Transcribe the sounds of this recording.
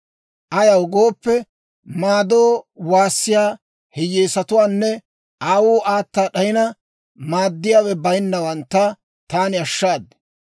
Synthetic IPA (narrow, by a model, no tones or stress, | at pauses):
ʔɐjɐwɡo̞ːpːɛ | maːd̪oːwaːsːɪjaː | hɛjeːsɐt̪ʊwaːnːɛ | aːwuːʔaːt̪ːaːɗɐjɪnɐ | maːd̪ːɪjaːwɛbɐjnːɐwɐnt̪ːɐ | t̪aːnɪɐʃːaːd̪ː